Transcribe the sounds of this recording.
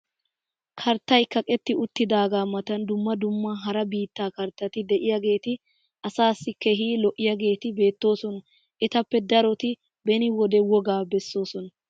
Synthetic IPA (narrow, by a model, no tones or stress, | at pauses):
kʰɐɾt̪ːɐjkɐkʼɛt̪ːɪʊt̪ːɪd̪aːɡaːmɐt̪ɐnd̪ʊmːɐd̪ʊmːɐɦɐɾɐbiːt̪ːaːkɐɾt̪ːɐt̪ɪd̪ɛʔɪjɐɡe̞ːt̪ɪ | ʔɐsaːsːɪkɛɦiːlɔʔːɪjɐɡe̞ːt̪ɪbe̞ːt̪ːo̞ːsɔnɐ | ʔɛt̪ɐpːɛd̪ɐɾɔt̪ɪ | bɛnɪwɔd̪ɛwɔɡaːbɛsːo̞ːsɔnɐ